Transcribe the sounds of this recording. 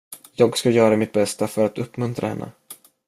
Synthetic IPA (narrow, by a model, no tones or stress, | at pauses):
jɑːɡskajœːɾamɪt̪̚bɛst̪afœɾat̪ɵpːmɵnt̪ɾahɛ̰nːə̰